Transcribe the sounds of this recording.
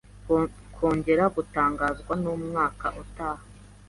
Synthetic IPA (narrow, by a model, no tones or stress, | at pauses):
kʰoːɲɟe̞ɾaɡutaːŋɡaːzɡwanumŋaːkaʔutaːha